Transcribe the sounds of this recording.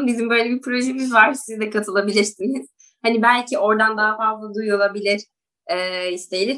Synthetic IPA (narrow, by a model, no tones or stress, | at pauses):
nbizimbø̞jlʲebipʰɾo̞ʒemizvaɾ̥sizd̪ɛkʰat̪ʰɯlˠabilʲiɾsiniz̥ | hanibælʲcio̞ɾd̪and̪aɦafazlˠad̪ujolˠabilʲiɾ̥ | ɛːist̪ʰejilʲiɾ